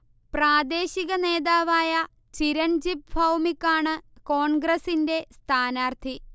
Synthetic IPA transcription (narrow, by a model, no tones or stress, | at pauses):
praːd̪e̞ːɕiɣɐne̞ːðaːʋaːjɐ | t͡ɕiɾɐnd͡ʑip̚bʱɐwmikːaːɳɨko̞ːɳɡrɐsinde̞st̪ʰaːnaːrt̪ʰi